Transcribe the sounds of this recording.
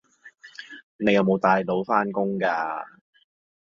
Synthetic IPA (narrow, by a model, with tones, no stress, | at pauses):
ne˨˧jɐ˨˧wmo˨˧wt̪aː˨jlo˨˥wfaː˥nkʊ˥ŋkaː˧